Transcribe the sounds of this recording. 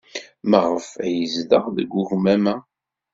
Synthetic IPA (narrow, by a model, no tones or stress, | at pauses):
məʁəfæjəzləʁðəɡʷːuʝmæmæ